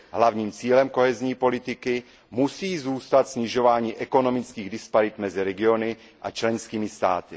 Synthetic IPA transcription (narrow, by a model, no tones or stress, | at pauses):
ɦlavɲiːmt͡siːlɛmko̞ɦɛzɲiːpo̞lɪt̪ɪkɪ | musiːzuːst̪at̪sɲɪʒo̞vaːɲiːʔɛko̞no̞mɪt͡skiːɣdɪspaɾɪt̪mɛzɪɾɛɡɪo̞nɪ | ʔat͡ʃlɛnskiːmɪst̪a̰ːt̪ɪ